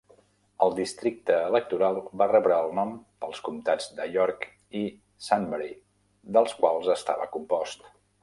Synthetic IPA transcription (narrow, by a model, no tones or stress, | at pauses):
əlˠd̪ist̪ɾik̚t̪əːlək̚t̪uɾalˠbarɛβɾəːlˠnɔmpəlˠskumt̪ad͡zd̪əʎɔɾk | i | sanməɾi | d̪əlˠskwalˠzəst̪a̰βə̰kumpɔst̪